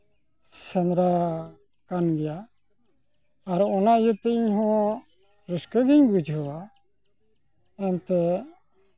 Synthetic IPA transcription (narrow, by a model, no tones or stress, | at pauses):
sɛnɾa | kanɡɛja | ɾɔnajət̪ɛiɲɦɔ̃ | ɾəskəɡiɲbud͡ʒʱɦəwa | ɛnt̪ɛ